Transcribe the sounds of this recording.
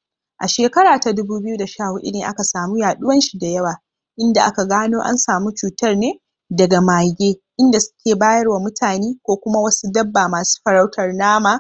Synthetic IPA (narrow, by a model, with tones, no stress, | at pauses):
ʔa˨ʃeː˨kɐ˦ɽaː˨ta˨dʊ˦buː˦bɪ˦ju˦da˨ʃaː˦˨hu˨ʔɪ̰˦neː˨ʔa̰˦ka˨saː˨mu˦jaː˨ɗʊ˦wɐ˦nʃi˨da˨jɐ˦waː˨ | ʔɪ˦nda˨ʔa̰˦ka˨ɡaː˦noː˦ʔa̰˦nsaː˨mu˦t͡ʃuː˨tɐ˦rneː˦ | dɐ˨ɡa˨maː˨ɡʲeː˦ʔɪ˦nda˨sʊ̥˦kʲeː˨baː˦jɐ˦rwa˨mʊ˦tʰaː˨neː˦kʷoː˦kʷʊ˦ma˦wɐ˦su˦dɐ˦bːaː˨maː˨su̥ː˦ɸɐ˨ɾa˦wtʰɐ˨rnaː˦maː˨